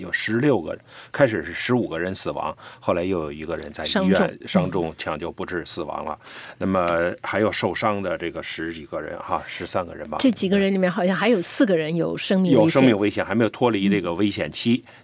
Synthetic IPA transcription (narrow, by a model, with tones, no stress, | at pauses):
jo˨˩ʊʂɻ̩˧˥ljo˥˩ʊɡə̰˩˦kʰa˥ɪʂ̬ɻ̩˨˩ʂɻ̩˥˩ʂɻ̩˧˥u˨˩ɡə˦ɻə˧˥nsɹ̩˨˩wɑ̰˧˥ŋxo˥˩ʊla˧˥ɪjo˥˩ʊjo˨˩i˧˥ɡə˧ɻə̰˧˥nt͡sa˥˧ɪ˥ŋ˥ɛ˥˩˧nʂɑ˥ŋʈ͡ʂʊ˥˧ŋt͡ɕʰjɑ˨˩ŋt͡ɕjo˥˩ʊpu˧˥ʈ͡ʂɻ̩˥˧sɹ̩˨˩wɑ̰˧˥ŋlə̰˧na˥˩mə˩xa˧˥ɪjo˨˩ʊʂo˥˩ʊʂɑ˥ŋd̪ə˨ʈ͡ʂɤ˥˩ɡə˩ʂɻ̩˧˥t͡ɕi˨˩ɡ̥ə˧ɻə̰˧˥nxa̰˧˩ʂɻ̩˧˥sa˥nɡə˨˩ɻə̰˧˥nbɐ̰˧ʈ͡ʂɤ˥˩t͡ɕi˨˩ɡə˦ɻə˧˥nli˨˩mjɛ˥˩nxɑ˨˩ʊɕjɑ˥˧ŋxa˧˥ɪjo˨˩ʊsɹ̩˥˩ɡə˩ɻə˧˥njo˨˩ʊʂɤ˥ŋmi˥˧jo˨ʊ˥ʂɤ˥ŋmi˥˧ŋwe˥ɪɕjɛ˨˩nxa˧˥me˧˥jo˨˩tʰwɔ˥li˧˥ʈ͡ʂɤ˥˩ɡə˩we˥ɪɕjɛ̰˨˩nt͡ɕʰi˥